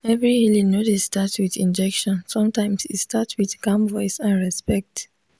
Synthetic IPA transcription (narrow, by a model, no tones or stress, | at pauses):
ɛvɹihilinotisstatswiðḭ̃nd͡ʒɛkʃɔ̃nsɔ̃mtãɪ̃msitstʰatswiðkãmvɔɪsãnɹɛspɛk̚t